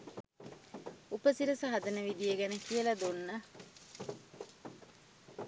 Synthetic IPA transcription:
upəsiɾɐsɐɦɐd̪ɐnəʋid̪ijeɡænekijəlɐd̪unːə

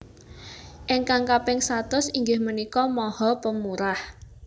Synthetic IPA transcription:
ʔɪŋkaŋkapɪŋsat̪ʊsiŋɡɪhmənikɔmɔhɔpəmuɾah

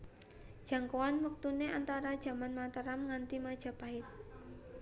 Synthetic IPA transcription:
d̥ʒ̥a̤ŋkowanwək̚t̪uneʔant̪aɾad̥ʒ̥a̤manmat̪əɾamŋant̪imad̥ʒ̥a̤paɪt̪̚

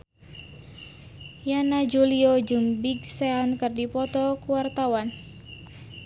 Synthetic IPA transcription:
janad͡ʒuliod͡ʒumbiɡseankɨrdipɔt̪ɔkuwart̪awan

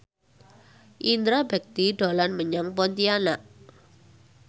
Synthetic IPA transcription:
ʔind̪ɾabɛk̚t̪iɖolanməɲaŋpɔnt̪ianaʔ

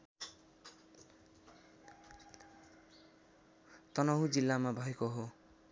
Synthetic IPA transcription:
t̪ʌnʌɦud͡zilːamabʱʌekoɦo

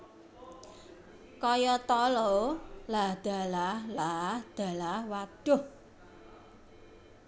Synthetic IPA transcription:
kɔjɔt̪ɔlɔlahd̪̥a̤lahlahd̪̥a̤lahwad̥ʊh

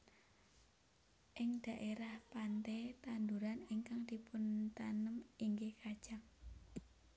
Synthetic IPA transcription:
ʔɪŋd̪̥a̤ʔeɾahpant̪ɛt̪and̪uɾaniŋkaŋd̪̥ipʊnt̪anəmiŋɡekad̥ʒ̥aŋ

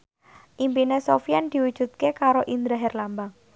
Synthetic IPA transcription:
ʔimpinesofiand̪̥i̤wud̥ʒ̥ṳt̪̚kekaɾoʔind̪ɾaɦɛrlambaŋ

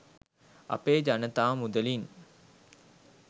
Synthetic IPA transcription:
ɐ̰peːd͡ʒanət̪aːmud̪əlin

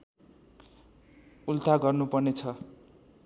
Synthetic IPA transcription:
ult̪ʰaɡʌrnupʌrnet͡sʰʌ

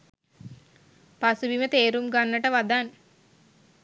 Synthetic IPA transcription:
pasubimət̪eːɾumɡanːəʈəʋad̪an

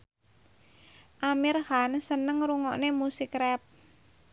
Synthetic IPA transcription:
ʔamirhansənəŋɾuŋɔ̰ʔnemusikrɛp̚

